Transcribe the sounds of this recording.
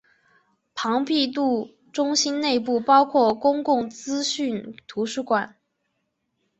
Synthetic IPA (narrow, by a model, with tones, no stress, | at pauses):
pʰɑ˧˥ŋpi˥˧t̪u˥˩ | ʈ͡ʂʊ˥ŋɕi˥nne˥˧ɪp̬u˥˩pɑ˥ʊkʰwɔ˥˩kʊ˥ŋkʊ˥˩ŋt͡sɹ̩˥ɕy˥˩nt̪ʰu˧˥ʂɻ̩u˥˩kwa˨˩˦n